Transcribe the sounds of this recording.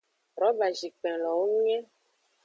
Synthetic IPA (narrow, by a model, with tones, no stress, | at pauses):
ɾɔ˨˦ba˨d͡ʒi˨k͡pɛ̃˨lɔ˨wo˦ŋũ˦ɲɛ̃˦